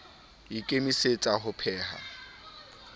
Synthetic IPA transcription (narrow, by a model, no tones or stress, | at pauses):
ikʼemiset͡sʼaɦʊpʰɛːha̰